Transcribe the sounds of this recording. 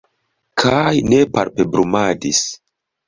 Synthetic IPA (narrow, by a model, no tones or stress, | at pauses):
kʰajnepa̰ɾpebɾumadis